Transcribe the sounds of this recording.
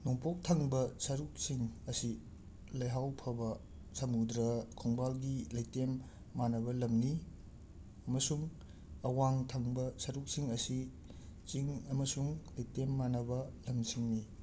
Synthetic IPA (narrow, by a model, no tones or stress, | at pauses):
noŋpok̚tʰɐŋbɐsɐɾuk̚siŋɐsi | lɐjɦawpʰɐbɐ | sɐmudɾɐkʰɔŋbalɡilɐjtemː | anɐbɐlɐmni | ɐmɐsuŋ | ɐwaŋtʰɐŋbɐsɐɾuk̚siŋɐsi | t͡ʃiŋɐmɐsuŋlɐjtemːanɐbɐlɐmsiŋni